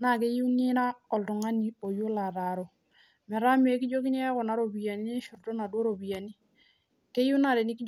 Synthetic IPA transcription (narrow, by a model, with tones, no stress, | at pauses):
na˦˨ke˦ju˦nɪ˦na˦ɔ˨ltɔ˨ŋa˦ni˨o˨jʊ˦la˨ɾa˨ɾɔ˨ | mɛ˨ɾa˦m˦e˨˦kɪ˦d͡ʒo˦ki˦ne˦a˦kɔ˨na˨˦ɾo˨bi˨ja˨ni˦ne˦ʃʊ˨rtɔ˦na˨dwo˦ɾo˨bi˨ja˨ni˦ | ke˦ju˦na˦˨dɛ˨nɪ˦ki˦